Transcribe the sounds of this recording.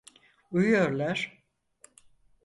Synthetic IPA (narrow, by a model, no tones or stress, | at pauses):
ujujoɾlˠaɾ̥